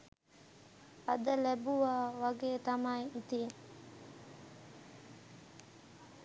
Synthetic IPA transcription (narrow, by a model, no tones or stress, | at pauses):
ɐd̪əlɛbuʋaːʋaɡeːt̪amaiit̪i